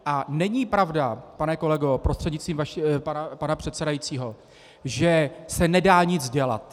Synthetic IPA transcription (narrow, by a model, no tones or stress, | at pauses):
ʔanɛɲipɾavdapanɛko̞lɛɡo̞pɾost̪r̝̥ɛdɲɪt͡st̪viːmvaʃpanpanapr̝̥ɛt̪sɛdajit͡siːɦo̞ | ʒɛsɛnɛdaːɲɪd͡zɟɛla̰t̪